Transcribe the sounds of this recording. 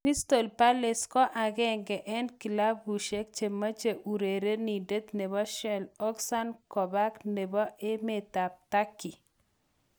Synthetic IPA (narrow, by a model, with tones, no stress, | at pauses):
pi˦st̪o˨lpa˦lɪ˨skɔ˦ʔa˨ɡɛ˦ŋɡɛ˨ʔɛ˦nki˨la˦bu˨ʃe˦k̚t͡ʃe˨ma˦t͡ʃe˨ʔu˨ɾe˨ɾe˦ni˨de˦t̪ne˨βɔ˦ʃɛ˨lɔ˦ksa˦nkɔ˨ba˦kne˨bɔ˦ʔɪ˦me˨t̪a˨p̚t̪a˦kːi˨